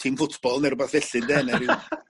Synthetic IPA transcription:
tʰimfʊtʰb̥ɔlˠnɛɾʊbaθvɛɬɨndɛnɛɾɪ

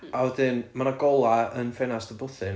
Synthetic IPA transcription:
aɔdɪnmanaɡɔlˠaənfɛnasd̥əbʊθɨn

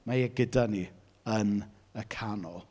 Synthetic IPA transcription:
majɛɡədani | ən | əkʰanɔlˠ

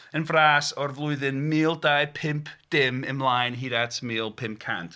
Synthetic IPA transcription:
ənvraːsɔrvlˠʊɨðɨnmiːlˠdaɨpʰɪmpʰd̥ɪmənmlˠajnɦiːðatʰmiːlˠpʰɪmp̚kʰa̰ntʰ

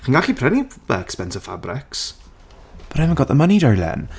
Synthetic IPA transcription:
χinɡaɬipʰrɛnibɛ̰kspɛntə̥fa̰brɪks | b̥ɾɛmaɡɔðəmaniːdɔjlɛ̰n

